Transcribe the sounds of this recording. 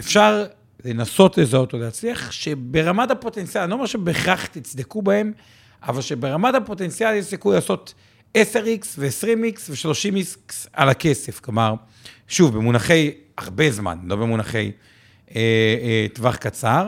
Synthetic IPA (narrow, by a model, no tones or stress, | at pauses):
efʃaʁ | le̞naso̞t̪lezaot̪oleːt͡sliaχʃe̞be̞ʁamatapo̞t̪ent͡sijalanoamaʁʃebeχaχt̪it͡sd̪ekubaem | a̰valʃe̞be̞ʁamat̪apo̞t̪e̞nt͡sijaljeʃsikujlaːso̞t̪ | ese̞ʁiksveesʁimiksveʃlo̞ʃimisksa̰lake̞se̞fklomaʁ | ʃuvbemunaχe̞j | a̰ʁbe̞zma̰nlo̞bemunaχe̞̰j | et̪vaχkat͡saʁ